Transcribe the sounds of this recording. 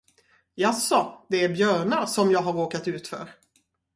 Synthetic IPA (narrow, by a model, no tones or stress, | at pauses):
jasːɔd̪ɛæɾbjœːɳasɔmjɑːɡɦaɾoːkat̪ʉ̟ːt̪fœ̰ːɾ